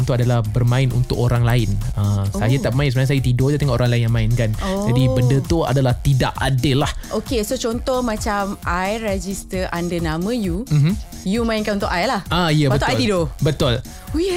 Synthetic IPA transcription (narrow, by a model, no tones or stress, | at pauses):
nt̪uadalahbərmãɪnṵnt̪ʊkoɾaŋlaɪnəajət̪aʔmãɪnsənas̬ajat̪idod̪at̪eŋoʔoɾaŋlaɪnjaŋmaɪnkanadibəndət̪ua̰dalaht̪idaʔadəlahʔokesot͡ʃɔnt̪ɔhmãt͡ʃamajɾɛd͡ʒist̪əʔandənamə̃jum̩m̩ | jumãinkanunt̪ʊ̰kʔajlahaijəbət̪aj̪idobət̪ʊl